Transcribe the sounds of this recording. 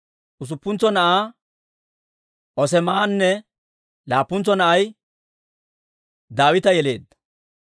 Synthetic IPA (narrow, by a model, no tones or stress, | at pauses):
ʔʊs̬ʊpːʊnt͡sːɔnɐʔaː | ʔɔsɛmaanːɛ | laːpːʊnt͡sːɔnɐʔɐj | d̪aːwɪt̪ɐjɛle̞̰ːd̪ːɐ̥